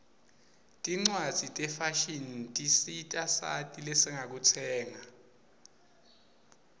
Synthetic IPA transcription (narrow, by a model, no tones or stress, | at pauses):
tʼiŋ͡ǀwad̥z̥ʱitʼɛfaʃintʼisitʼasa̰tʼilɛsɛŋak̬utʰɛːŋa